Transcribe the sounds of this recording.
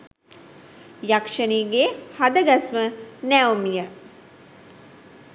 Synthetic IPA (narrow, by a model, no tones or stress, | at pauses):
jakʂəniːɡehad̪əɡasmənæumijə